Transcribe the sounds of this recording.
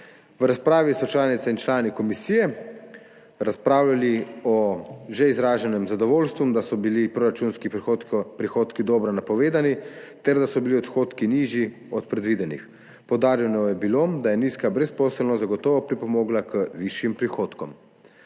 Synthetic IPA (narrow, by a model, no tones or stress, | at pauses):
ʋɾaspɾaːʋisɔt͡ʃlaːnit̪saint͡ʃlaːnikɔmisijɛ | ɾaspɾaːwlaliɔʒɛizɾaːʒɛnɛmzad̪ɔʋoːlst̪ʋud̪asɔbilipɾoːɾat͡ʃuːnskipɾixoːt̪kid̪ɔːbɾɔnapɔʋeːd̪anit̪ɛɾd̪asɔbiliɔt̪xoːt̪kiniʒji | ɔt̪̚pɾɛd̪ʋiːd̪ɛnḭx | pɔwd̪aːɾjɛnɔɔjɛbilod̪ajɛniːskabɾɛspɔːsəlnɔzaɡɔt̪ɔːʋɔpɾipɔmɔːɡlakəʋiʃjimpɾixoːt̪kɔm